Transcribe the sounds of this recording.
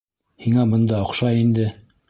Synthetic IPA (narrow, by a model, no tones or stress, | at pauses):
hiŋæbɤ̆nd̪ɑŏqʃɑjind̪ɘ